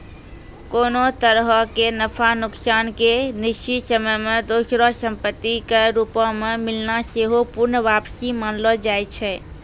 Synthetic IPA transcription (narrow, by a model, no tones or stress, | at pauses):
konot̪əɾɦəkenəpʰanʊksankeniʃt͡ʃisəməjmed̪osɾɔsəmpət̪ːikeɾupɔ̃memilnaseɦopuɾnʋapsimanlɔd͡ʒajt͡ʃʰɛ